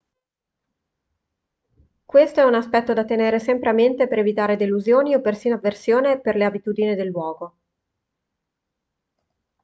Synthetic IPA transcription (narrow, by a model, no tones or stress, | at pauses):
kwest̪oɛunaspɛt̪ːod̪at̪ːeneːɾesɛmpɾeament̪epeɾevit̪aːɾed̪eluzjoːniopːersiːnoaversjoːneperleabit̪uːd̪inid̪elːwɔːɡo